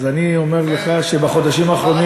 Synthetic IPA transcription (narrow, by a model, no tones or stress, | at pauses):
zanio̞me̞ʁleχaʃebaχo̞d̪aʃimaːχʁo̞ni